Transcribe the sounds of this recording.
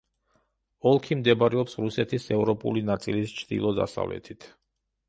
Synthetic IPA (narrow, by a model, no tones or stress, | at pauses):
ɔlˠkʰimd̪ɛbaɾɛɔpsɾusɛt̪ʰisɛvɾɔpʼṵlinat̪sʼilist͡ʃʰd̪̥ḭlˠɔd̪a̰sa̰vlɛ̰t̪ʰit̪ʰ